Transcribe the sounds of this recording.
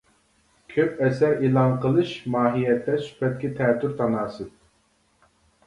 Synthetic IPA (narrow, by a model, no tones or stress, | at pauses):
kʲʰøpɛsɛɾiːlˠɑnqəlˠɨʃmɑːɦijɛt̪ːɛsy̥pʰɛt̪̚kʲɪt̪ʰɛːt̪ʰːyɾt̪ʰɑnɑːsɨz